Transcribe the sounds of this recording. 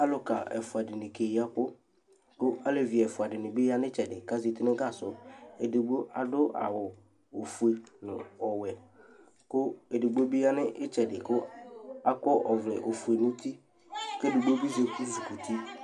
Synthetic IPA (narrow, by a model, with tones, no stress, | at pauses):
a˦lʊ˨ka˨ɛ̰˨fʊ˨a˨dɪ˨nɪ˨ke˨ji˨˦a˦kʊ˦ | kʊ˦a˦le˨vi˨ɛ˨fʊ˨a˨dɪ˨nɪ˨bɪ˦ja˦nɪ̃˦t͡ʃɛ˨dɪ˨ka˦zi˨tɪ˦nɪ˦ɡa˦˨sʊ˨e˨dɪ˨ɡ͡bo˦a̰˨dʊ˦a̰˨wʊ˨ | o˨fu˨e˨nʊ̰̃˨ɔ˨wɛ˨ | kʊ˦e˨dɪ˨ɡ͡bo˦bi˦ja˦nɪ˦ʔɪ˦t͡ʃɛ˨dɪ˨kʊ˦a˦kɔ˦ʔɔ˨vlɪ̰˨ʔo˨fu˨e˨nʊ̃˦ti˦ | ke˦dɪ˨ɡ͡bo˦bi˦ze˨ku˦zi˨ku˨ti˦